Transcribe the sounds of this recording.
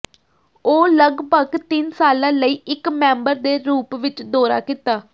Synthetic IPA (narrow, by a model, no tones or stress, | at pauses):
oːləɡbəɡt̪ɪnsaːlãːləiːʔɪkmɛ̃ːmbəɾd̪eːɾuːpʋɪt͡ʃd̪oːɾa̰ːkɪt̪aː